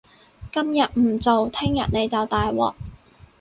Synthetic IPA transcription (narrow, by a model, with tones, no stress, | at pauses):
kɐ˥mjɐ˨t̚m̩˨˩t͡so˨wt̪ʰɪ˥ŋjɐ̰˨t̚ne˨˧jt͡sɐ˨wt̪aː˨jwɔ̰ː˨k̚